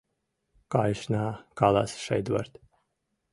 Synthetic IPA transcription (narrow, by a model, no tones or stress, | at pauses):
kajʃnaːkalˠa̰sʃɛ̰jd̪va̰ɾt̪